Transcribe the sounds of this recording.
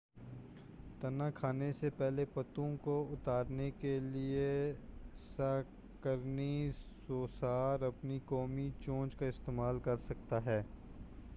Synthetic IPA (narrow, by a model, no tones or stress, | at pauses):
t̪ɐnakʰaːnesepɛɦlepɐt̪õkoʊt̪aːɾnekelie | sa | kəɾnisoːsaːɾɐpnikɔːmit͡ʃõːd͡ʒkaɪst̪eːmaːlkɐɾsɐkt̪aɦɛː